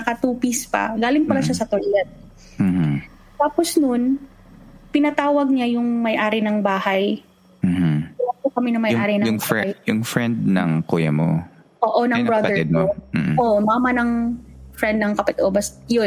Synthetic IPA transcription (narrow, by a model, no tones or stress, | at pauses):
ɐkɐt̪uːpɪspɐ̰ɡaːlɪŋpɐlaʃasɐt̪oɹlɛd̪̩̚ | h̩ | t̪aːposnon | pɪnɐt̪aːwɐɡ̚ɲajʊŋmɐjʔaːɾɪnɐŋbaːhɐj | m̩ːm̩ɐlapokɐmɛnɐŋmɐjaːɾɪnɐjʊŋjjʊŋfɾɛnd̪̚nɐ̰ŋkuːjɐ̰mo̰ | ʔoːʔonɐŋbɹɐd̪ɛɹɪd̪̚moʔomamɐnɐŋfɾɛnd̪̚nɐŋkɐpɐt̪ʔobɐsjon